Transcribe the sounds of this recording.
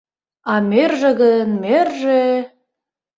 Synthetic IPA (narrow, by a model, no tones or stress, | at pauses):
ɑmerʒĕɣənmerʒe